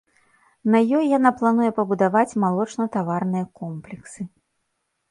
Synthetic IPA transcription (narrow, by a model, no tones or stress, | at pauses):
nɐjɔjjanaplˠanujɛpɐbud̪avat͡sʲmalˠɔt͡ʂnɐt̪avarnɨjɐkɔmplʲɛksɨ